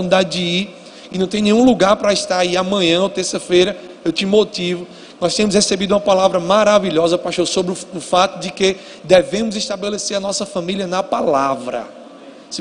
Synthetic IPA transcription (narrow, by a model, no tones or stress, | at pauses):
ũnid̪adɪd͡ʒii | ɪnɐ̃w̃t̪ẽj̃nẽj̃ũluɡaɾpɾɐiʃt̪aɾaiamɐ̃ɲɐ̃ot̪eɾsɐfejɾɐ | ewt̪ɪmot̪ivʊ | nɔst̪ẽɲ̃mʊshesebid̪uũɐpalavɾɐmaɾaviʎɔzɐpaʃõsobɾɪʊʊfat̪ʊd͡ʒɪke | d̪evẽmʊziʃt̪abeleseɾɐnɔsɐfɐ̃miljɐnɐpalavɾɐ̰ | s